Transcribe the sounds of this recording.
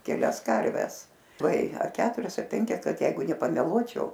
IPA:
kʲɛˈlʲɛs ˈkɐrʲʋʲɛs lˠɐɪ ɐr ˈkʲæːtʊrʲɛs ɐ ˈpʲɛŋʲkʲɛs ˈkɐt ˈjɛɪɡʊ nʲɛpɐmʲɛˈlˠuɔt͡ʃʲɛʊ

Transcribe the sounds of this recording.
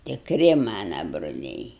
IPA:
tʲɪkˈrʲɪ ˈmɑːnɐ brʊˈlʲɛɪ

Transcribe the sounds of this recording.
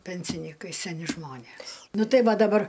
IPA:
ˈpʲɛnʲsʲɪnʲiːkɐɪ sʲɛˈnʲɪ ˈʒmoːnʲeːs ˈnʊ ˈtɐɪ ˈʋɐ dɐˈbɐr

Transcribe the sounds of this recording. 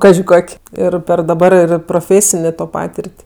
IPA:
ˈkɑːʒʲɪ ˈkoːkʲ ˈɪr pʲɛr dɐˈbɐr ɪr proːˈfʲeːsʲɪnʲeː toː ˈpɑːtʲɪrʲtʲ

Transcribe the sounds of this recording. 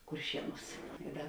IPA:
kʊrʲˈʃʲiɛˌnuːs ɪ ˈdɐ

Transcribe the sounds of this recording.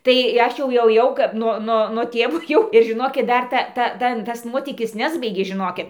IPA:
tɐɪ ˈɐʃ jɛʊ jɛʊ ˈkɐp noː ˈnoː noː ˈtʲeːʋoː jɛʊ ɪr ʒʲɪˈnoːkʲɪt ˈdɐr tɐ ˈtɐ ˈtɐn tɐs ˈnuɔtʲiːkʲɪs ˈnʲæːzbɐɪɡʲeː ʒʲɪˈnoːkʲɪt

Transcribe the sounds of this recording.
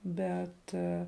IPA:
ˈbʲɛt

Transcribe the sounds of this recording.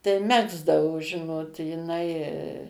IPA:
tɐɪ ˈmʲæːɡzdɐʋoː ˈʒʲɪnoːt jɪˈnɐɪ

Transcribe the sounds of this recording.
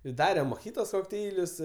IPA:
ɪ ˈdɑːrʲɛm moːˈɣʲɪtoːs koːkˈtʲɛɪlʲʊs

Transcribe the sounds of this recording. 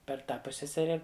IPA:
pʲɛr ˈtɑː ˈpʊsʲsʲɛsʲɛrʲɛ

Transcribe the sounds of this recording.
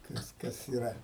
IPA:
ˈkɐs ˈkɐs iːˈrɐ

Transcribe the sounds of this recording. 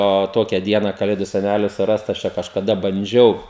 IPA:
oː ˈtoːkʲɛ ˈdʲiɛnɐ kɐˈlʲeːdʊ sʲɛˈnʲælʲɪ sʊˈrɐst ɐʃ ˈt͡ʃʲɛ kɐʃkɐˈdɐ bɐnʲˈd͡ʒʲɛʊ

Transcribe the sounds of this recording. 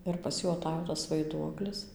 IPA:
ɪr pɐs ˈjuː ɐˈtɑːjoː tɐs ʋɐɪˈduɔklʲɪs

